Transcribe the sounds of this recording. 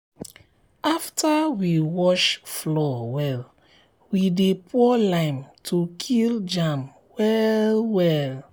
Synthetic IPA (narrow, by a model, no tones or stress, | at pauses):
aftʰawiwɔʃflɔwɛl | widepʰɔlãɪ̃mtʰukʰild͡ʒãm | wɛlwɛl